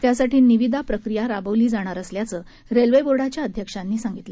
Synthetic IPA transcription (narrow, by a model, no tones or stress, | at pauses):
t̪jasaʈiːniʋid̪ʱapɾəkɾijaɾabəʋliːd͡zaɽ̃aɾəsljat͡səː | ɾelʋeboɾɽat͡ɕjaəd̪ʱjəkʂanːiːsaŋɡit̪lə